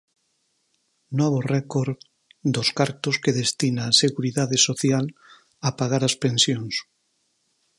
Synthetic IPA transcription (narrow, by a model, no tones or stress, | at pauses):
nɔβ̞orɛkoɾ | d̪oskaɾt̪oskeðest̪inaːseɣuɾiðaðesoθjal | apaɣaɾaspẽnsjoŋs